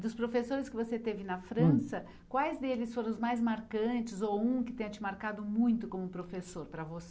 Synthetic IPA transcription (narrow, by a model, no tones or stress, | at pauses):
d̪ʊspɾofesoɾɪskɪvoset̪evɪnɐfɾɐ̃sɐ | kwajzd̪elɪsfoɾɐ̃ʊzmajzmaɾkɐ̃t͡ʃɪzowũkɪt̪ẽj̃ɐ̃t͡ʃɪmaɾkad̪ʊmũj̃t̪ʊkõmʊpɾofesoɾpɾɐvose